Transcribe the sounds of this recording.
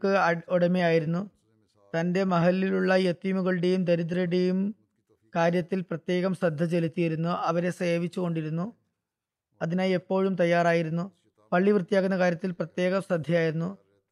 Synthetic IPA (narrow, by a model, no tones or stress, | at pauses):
kːɨɐoɽɐmijaːjiɾunːu | t̪ɐnde̞mɐɦɐlːiluɭːɐjet̪ːimuɣɐɭɨɽe̞jumd̪ɐɾid̪rɐjuɽe̞jum | kaːɾjɐt̪ːilprɐt̪je̞ːɣɐmsrɐd̪ʱːɐt͡ɕe̞lit̪ːijiɾunːuʔɐʋɐɾe̞seːʋit͡ɕːuɣo̞ɳɖiɾunːu | ɐðinaːjepːo̞ːɻumt̪ɐjːaːɾraːjiɾunːu | pɐɭːiʋrɨt̪ːijaːkːunːɐkaːɾjɐt̪ːilprɐt̪je̞ːɣɐmsrɐd̪ʱjɐjaːjiɾunːu